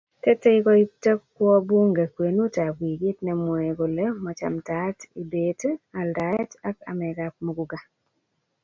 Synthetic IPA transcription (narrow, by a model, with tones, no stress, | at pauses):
tɛ˦te˦ɪkɔ˦i˦tɛ˦kkːwɔ˦bu˦ŋɡa˨kwe˨nu˦ta˨bi˨ɡɪ˦tnɛ˨mwɔ˨e˨ɡo˨le˦mɔ˨t͡ʃa̰˨mta˦ti˨be˦ta˨lda˨ɛ˦ta˦ka̰˨mɛ˨ɡa˦p̚mo˨ɡu˨ɡa˨